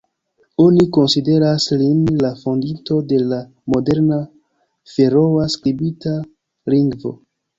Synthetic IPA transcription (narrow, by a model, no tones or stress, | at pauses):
o̞niko̞nside̞ɾaslinlafo̞ndinto̞de̞la | mo̞de̞ɾna | fe̞ɾo̞askɾibita | liŋɡvo̞̰